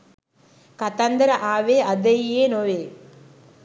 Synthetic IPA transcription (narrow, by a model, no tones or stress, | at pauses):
kɐt̪ɐnd̪ɐɾɐʔaːʋeːʔɐd̪ɐjjeːnoʋeː